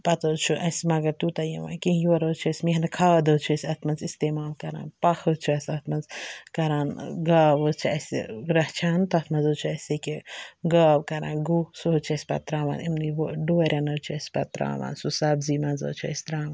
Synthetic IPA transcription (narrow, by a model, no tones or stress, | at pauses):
pɐt̪oːt͡ʃʰuʔɐsmɐɡɐɾt̪ut̪ɐjɐ̰ʋa̰ːnkiɦjɐɾoːt͡ʃʰesʲmiɦɐnɐkʰaːd̪oːt͡ʃʰesʲɐt̪ʰmɐnzist̪eːmaːlkɐɾa̰ːnpɐxʰət͡ʃʰuɐsʲɐt̪ʰmɐnzkɐɾaːnɡaːʋot͡ʃʰiɐsḭɾɐht͡ʃʰaːnt̪ɐt̪ʰmɐnzoːt͡ʃʰuɐsekeɡaːbkɐɾa̰ːnɡusot͡ʃʰɐsʲpɐ̰t̪ɾaːʋa̰ːnimniʋoɖoːɾʲɐnɐːt͡ʃʰuɐsʲpɐ̰t̪ɾa̰ːʋa̰ːnsusɐbzimɐnzə̰ːt͡ʃʰuɐ̰sʲt̪ɾaːʋaːn